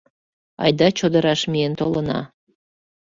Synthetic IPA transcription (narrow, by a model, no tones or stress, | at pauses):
ɑ̰jd̪ɑt͡ɕod̪əɾɑʃmient̪olənɑ̰